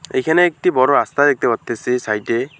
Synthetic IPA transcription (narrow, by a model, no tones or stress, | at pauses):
ḛjkʰɛnɛːk̚tibɔɹɔast̪adek̚t̪ebɔt̪ːesisajte